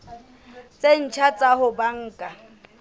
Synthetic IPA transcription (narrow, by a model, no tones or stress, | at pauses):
t͡sʼen̩t͡ʃʰat͡sʼaɦʊbaŋ̩ːkʼa